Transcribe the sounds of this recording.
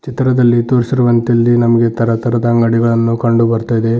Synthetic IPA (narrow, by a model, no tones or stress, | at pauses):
t͡ʃit̪ɾɐd̪ɐlːit̪oːɾsiɾuʋɐnt̪ilːinɐmɐɡe̞t̪ɐɾɐt̪ɐɾɐd̪ɐːŋɡɐɽiɡɐɭɐnːukɐɳɖubɐɾt̪ajid̪e̞